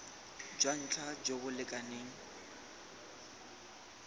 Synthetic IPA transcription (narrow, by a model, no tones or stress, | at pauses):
d͡ʒwan̩t͡ɬʰad͡ʒobʊlɪkʼaneːŋ̩